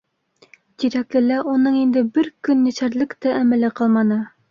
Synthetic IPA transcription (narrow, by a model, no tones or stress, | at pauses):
t̪iɾæklɘlæʔunɤɴind̪ɘbɘɾkɵnːæ̆sæɾlɘkt̪æʔæmælɘqɑlˠmɑnɤ